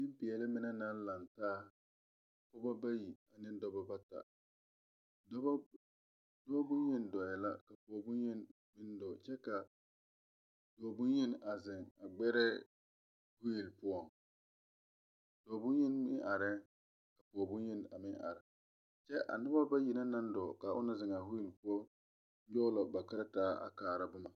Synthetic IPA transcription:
nɪ˦m˦pɪ˨ɛ˨lɪ˦mɪ˦nɛ˦na˦n˦la˨ntaː˦˨ | pʊ˦ba˦ba˦ji˨a˨nɪ˦n˦dɔ˦ba˦ba˦ta̰˨ | d | dɔ˦ba˦bʊ˦ji˦n˨dɔ˨jɛ˨la̰˦ka˨pu˨ɔ˨bʊ˦nji˦n | mɪ˦n˦dɔ˨t͡ʃɛ˦ka˨ | d̥ɔ˨bʊ˦nji˦na˨zɪ˨ŋa˨ɡ͡bɛ˦ɾɛ˦ | hʊ˦ji˨lpʊ˦ɔ˨ŋ | d̥ɔ˨bʊ˦nji˦nmɪ˦ʔa˨ɾɛ˦ | ka˨pɔ˨ɔ˨bʊ˦nji˦n˨a˨mɪ˦ŋa̰˨ɾɪ˨ | t͡ʃɛ˦ʔa̰˨nʊ˦ba˦ba˦ji˨na˦na˦n˦dɔ˨ka˨ʔʊ̰˦na˦zɪ˨ŋa˨ɦʊ˦ji˨lpʊ˦ɔ˦ | jɔ˦lɔ˨ba˨ka˦ɾa˦taː˦a̰˨kaː˨ɾa˦bʊ˦ma˨

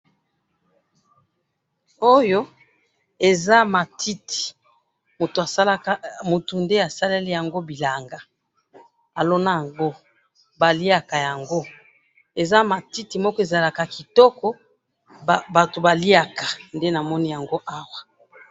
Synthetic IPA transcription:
o˦jo˦ | e˨za˦ma˨tʰi˦tʰi̥˨ | mo˨to˨a˨˦la˦mu˨tu˨nde˦a˨sa˦le˦li˦ja˨ŋɡo˦bi˨la˨ŋɡa˨ | a˨lo˦na˦ja˨ŋɡo˦ | ba˨li˦a˨ka˨ja˨ŋɡo˦ | e˨za˦ma˨ti˦ti˨mɔ˦kɔ˦e˨za˨la˨ka˨ki˨tɔ˦kɔ˦˨ | ba˨to˨ba˨li˦a˨ka˨nde˦na˨mɔ˦ni˦ja˨ŋɡo˦ʔa˦wa˨

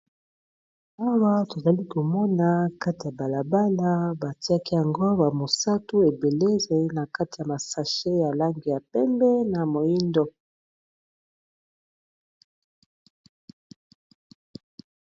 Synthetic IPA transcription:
a˦wa˦to˨za˨li˦ko˨mɔ˦na˦ka˦ti˨ja˨ba˨la˨ba˦la˦ba˨ti˦a˦ki˦ja˨ŋɡo˦ba˨mo˨sa˦tu˦e˨be˨le˦˨za˨i˦na˨ka˦ti˨ja˨ma˨sa˨ʃe˦ja˨la˦ŋɡi˨ja˨pɛ˦mbɛ˦na˨mo˨ji˦ndɔ˦

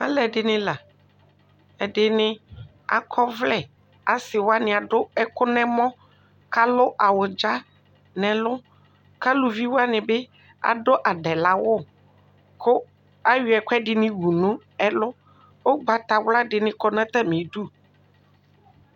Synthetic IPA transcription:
ã̰˦lɛ˨ɖɪ˨nɪ̃˦la˨ | ɛ˨dɪ˨nɪ̃˦ | a̰˨kʰɔ˦vlɛ˦˨ | a˨sɪ˨wo˦a˦nɪ̃˨a˨ɖʊ˦ɛ˦kʊ˦nɛ̃˦mɔ̃˦ | ka˦lʊ˦ʔa˨wʊ˨d͡ʒa˦ | nɛ̃˨lʊ˦ | ka˦lu˨vi˦wo˦a˦nɪ̃˨be˦ | a̰˨do˦ʔa˨ɖɛ˨la˨˦wʊ˦ | kʊ˦ | a˦ɥɪ˨˦ɛ˨kʷɛ˦ɖɪ˨nɪ̃˦wu˨nũ˦ | ɛ˦lʊ˦ | o˦ɡ͡ba˨t̪a˨wla˦ɖɪ˨nɪ̃˦kɔ˦nã˦t̪a˦mɪ̃˨du˦

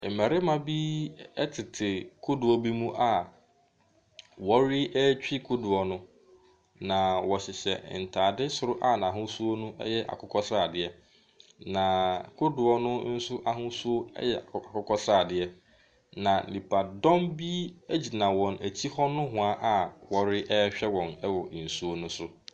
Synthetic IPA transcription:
mæ˨ɾɪ˦mã˦bi˦ɛ˦tʰɪ˨tʰɪ˨kʰʊ˦du˨ɔ˦bi˦mũ˦ʔa˨ | wɔ˦ɾɪ˦ʔɛ˦t͡ɕᶣi˦kʰu˦du˨ɔ˨nʊ̃˦ | nã˨wɔ˨ɕɪ˨ɕɛ̰˨n̩˨tʰaː˨dɪ˦sʊ˦ɾʊ˦ʔa˦n˨ã˨ɦʊ̃˦su˦o˦nũ˦ɛ̰˦jɛ˦ʔa̰˨kʰʊ˦kʰɔ˦saː˦˨dɪ˨ɛ˦ | nã˨kʰʊ˦dʊ˨ɔ˦nʊ̃˦n̩˦sʊ˦ʔa˨ɦʊ̃˦su˦o˦ɛ̰˦jɛ˨a˨kʊ˦kʰɔ˦saː˦˨dɪ˦ɛ˦ | nã˨li˨pʰa˨dɔ̃˦mbi˦æ˦d͡ʑi˨nã˨wɔ̃˨næ˨t͡ɕʰi˦hɔ˦nʊ̃˦ɦʊ̃˨a˦ʔa˨wɔ˨ɾɪ˦ʔɛ˦ɕᶣɛ˦wɔ̃˨nɛ˦wɔ˨n̩˨su˦o˦nʊ̃˦sʊ˦

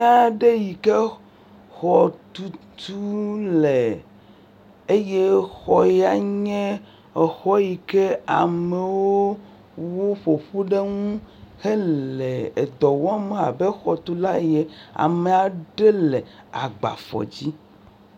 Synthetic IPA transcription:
a˨ɖe˦ji˨ke˦ | xɔ˨t̪u˦t̪ʰu˦le˨ | e˦je˦xɔ˨ja˨ɲɛ̃˦˨ | xɔ˦ji˨ke˦a˨me˨wo˦ | wo˦ɸo˨ɸo˦ɖe˦ŋũ˦xe˦le˨e˨d̪ɔ˨wɔ˦a˦me˨a̰˨be˦xɔ˨t̪u˦la˦e˦je˦a̰˨me˨a˨ɖe˦le˨ | a˨ɡ͡ba̰˨fɔ̰˨d͡ʑi˦

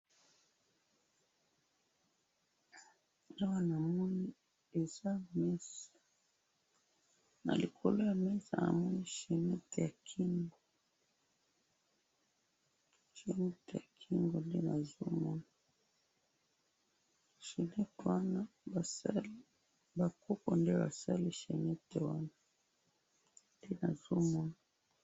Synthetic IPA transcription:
a˦wa˨na˨mɔ˦ni˦ | e˨za˦mɛ˦sḁ˨ | na̰˨li˨kʰo˨lo˦ja˨mɛ˦sa˨na̰˨mɔ˦ni˦ʃi˨ni˦te˨ja˨kʰi˦ŋɡo˨ | ʃe˨ni˦te˨ja˨kʰi˦ŋɡo˨nde˦na˨zu˦mɔ˦na˨ | ʃe˨nɛ˦twa˦na˦ba˨sa˦l | ba˨ku˦ko̰˨nde˦ba̰˨sa˦li˦ʃɛ˨nɛ˦te˨wa˦na˨ | nde˦na˨zu˦mɔ˦na˨

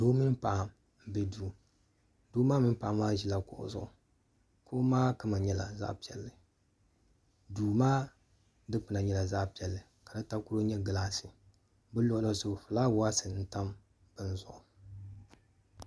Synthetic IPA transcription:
doː˦mi˦n˦pa˨ʔa˨m | bɛ˨duː˨ | doː˦maː˦mi˦n˦pa˨a˨˦mːaː˦ʒi˦la˦kʊ̰˨ʔʊ̰˨zʊ̰˦ʔʊ˨ | ko˦maː˦ka˦ma˨ɲɛ˦la̰˨za̰˦pi˨ɛ˨lːɨ˨ | duː˨maː˦ | dɨ˦k͡pɨ˨na˨ɲɛ˦la˨za˦pi˨ɛ˨lːɨ˨ | ka˨dɨ˦ta˦ku˦ɾo˦ɲɛ˦ɡɨ˨laː˦sɨ˨ | bɨ˦lʊ˦ʔʊ˦la˦zʊ˨fɨ˨laː˦wʊ˦a˦sɨ˨n̩˦ta˦m | b̥ɨ˦nzʊ̰˦˨ʔʊ˨

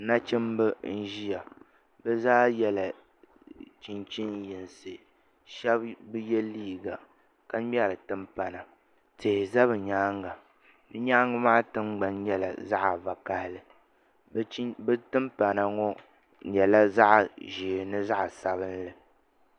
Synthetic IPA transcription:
na˦t͡ʃɪ˦mbɨ˦n̩˦ʒi˦ja˨ | bɛ˦zaː˦jɛ˦la˨ | t͡ʃi˨nt͡ʃi˦njɪ˨nsɨ˨ | ʃɛ˦bbɨ˦jɛ˦liː˦˨ɡa˨ | ka˦m˦ɛ˦ɾɨ˨tɨ˦mpa˨na˨ | te˨hɪ˨za˦bɨ˨ɲaː˦ŋɡa˨ | bɨ˦ɲaː˦ŋɨ˦maː˦tɨ˦ŋ͡mɡ͡ba˨nɲɛ˦la̰˨za˦ʔva˨ka˦hɪ˦lɨ˨˦ | bɨ˦tɨ˦mpa˨na˨ŋɔ˦ | ɲɛ˨la˦za˦ʔʒiː˨nɨ˦za˦ʔsa˨bɨ˦nlɨ˨

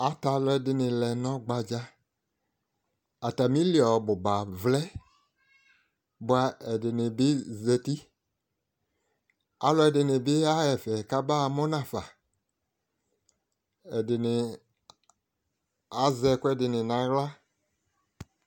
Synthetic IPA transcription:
a˨ta˨lɔ˨˦ɛ˨dɪ˨nɪ̃˨lɛ˨nɔ̃˦ɡ͡ba˨d͡ʒa˦ | a˨ta˨mĩ˦li˦˨a˨ɔ˨bʊ˨ba˨vlɛ˦ | bʊ˦a˨ɛ˨dɪ˨nɪ̃˨bɪ˦zɛ˨ti˦ | a̰˦lɔ˦ɛ˨dɪ˨nɪ˨bɪ˦a˦jɛ˨fɛ˨ka˦ba˦˨mɔ˦nã˨fa˨ | ɛ˨dɪ˨nɪ˨ | a˨zɛ˨kɛ˦dɪ˨nɪ̃˨nã˨ɣla˦

